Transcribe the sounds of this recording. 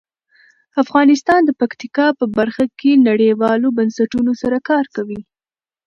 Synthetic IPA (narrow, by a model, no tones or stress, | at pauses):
afɣɑnɪst̪ɑnd̪əpakt̪ikɑpəbaɾxakenaɽejwɑlobansaʈunosaɾakɑɾkawi